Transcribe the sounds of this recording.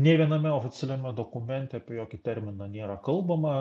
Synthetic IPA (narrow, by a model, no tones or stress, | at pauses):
nʲɛʋʲiɛnɐmʲɛoːfʲɪt̪sʲɛlʲɛmʲɛd̪okʊmʲɛnʲt̪ʲɛɐpʲɛjoːkʲɪt̪ʲɛɾʲmʲɪnɐnʲeːɾɐkɐlˠbɐmɐ